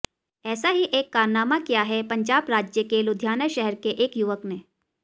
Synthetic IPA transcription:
ɛːsaɦiʔeːkːaːɾnaːmakijaɦɛpɐ̃ɲd͡ʒaːbɾaːd͡ʒjəkelʊd̪ʱjaːnəʃɛɦɛɾkeʔeːkjuʋəkneː

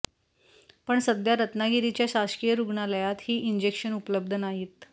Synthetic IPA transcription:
pəɳsəd̪ʱjaɾət̪naɡiɾit͡ɕjaɕaskijəɾuɡɳaləjat̪hiːʔind͡ʑekɕənupləb̚d̪ʱənaɦiːt̪

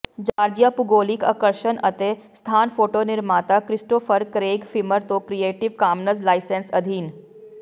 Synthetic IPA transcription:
d͡ʒaːɾd͡ʒijapuɡoːlikɐ̰kəɾʃənɐt̪est̪ʰaːnfoːʈoːnɪɾmaːt̪akɾɪsʈoːfəɾkɾeːɡfʰiməɾt̪oːkɾijeːʈiʋkaːmnəzlaːɪsensɐd̪ʱiːn

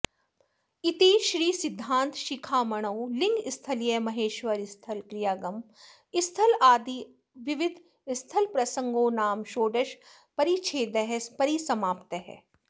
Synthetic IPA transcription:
it̪iːʃɾiːsɪd̪ʱːãːnt̪ʃɪkʰaːmɐɽ̃ɐwlɪ̃ŋɡɪst̪ʰɐlijəmɐɦeːʃʋəɾɪst̪ʰɐlkɾijaːɡɐm | ɪst̪ʰɐlaːd̪i | ʋɪʋɪd̪ʱ | ɪst̪ʰɐlpɾɐsə̃ŋɡoːnaːmʃoːɖəʃ | pɐɾit͡ʃʰeːd̪ɛɦɛspɐɾisɐmaːpt̪əɦɛ̰ː

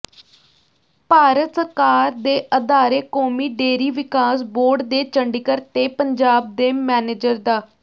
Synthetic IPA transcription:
paːɾət̪səɾkaːɾd̪eːʔəd̪aːɾeːkoːmiːɖeːɾiːʋɪkaːsboːɾɖd̪eːt͡ʃəɳɖikəɾt̪eːpəɲd͡ʒaːb̚d̪eːmɛːneːd͡ʒəɾd̪aː

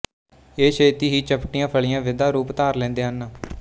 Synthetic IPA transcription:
eːʃeːt̪iːɦiːt͡ʃəpʈɪjãːpʰəɭɪjãːʋɪd̪aːɾuːpt̪aːɾlɛ̃ːnd̪eːɦənːaː

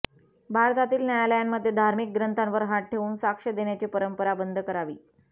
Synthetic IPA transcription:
bʱaɾt̪at̪iːlnjajaləjamːəd̪ʱːjed̪ʱaɾmik̚ɡɾənt̪anʋəɾɦaʈ̚ʈʰeʋuːnsakʂəd̪eɳjat͡ɕepəɾəmpəɾabənd̪ʱəkəɾaʋḭː

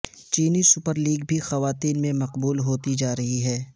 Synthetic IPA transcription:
t͡ʃiːnisʊpəɾliːɡ̚bʱixɐʋaːt̪iːnmẽmɐqbuːlɦoːt̪id͡ʒaːɾɐɦiɦɛː

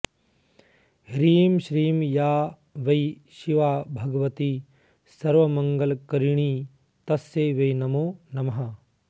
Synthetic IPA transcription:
ɦɾiːmʃɾiːmjaː | ʋɐjʃiʋaːbʱɐɡɐʋɐt̪i | sɐɾʋɐmɐŋɡɐlkɐɾiɳ̃iː | t̪ɐsjeːʋɐjnɐmoːnɐmɐɦɐ

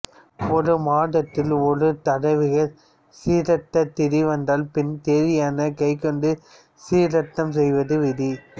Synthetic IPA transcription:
ɔɾɯmaːɽɐt̪ːɪlɔɾɯt̪ɐɽɐɪʋɪɣɐɾ | siːɾɐʈːɐt̪ːɪɾiʋɐnd̪aːlpɪnt̪eːɾɪjaːnɐkɐɪkːɔɳɖɯ | siːɾɐʈːɐms̬ɛjʋɐðɯʋɪði

